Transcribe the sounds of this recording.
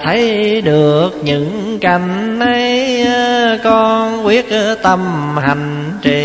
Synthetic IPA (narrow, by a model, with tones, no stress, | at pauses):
t̪ʰə˨˦jɗɨ˨˩ək̚ɲɨ̰˧˥ŋka˨˩jŋ̟na˧j | kɔ˧nwi˦˥ət̚ʔt̪ə˧mha˨˩jŋ̟ | t͡ɕi˨˩